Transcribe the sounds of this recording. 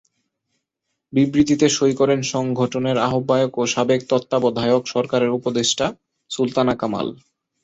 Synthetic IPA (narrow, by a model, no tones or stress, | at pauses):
bibɾit̪it̪eʃojkɔɾenʃɔŋɡʱoʈoneɾaɦobːajokoʃabek̚t̪ɔt̪ːabɔd̪ʱajokʃɔɾkaɾeɾupod̪eʃʈa | sult̪anakama̰l